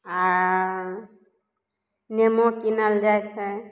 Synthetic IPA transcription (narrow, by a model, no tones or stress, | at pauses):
a | nemokinəld͡ʒajt͡ʃʰɛ